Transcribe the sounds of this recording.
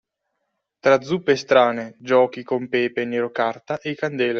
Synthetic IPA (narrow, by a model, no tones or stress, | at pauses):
t̪ɾad̪zupːest̪ɾaːned͡ʒɔːk̟ikompɛːpenːeɾokart̪aʔekand̪ɛːle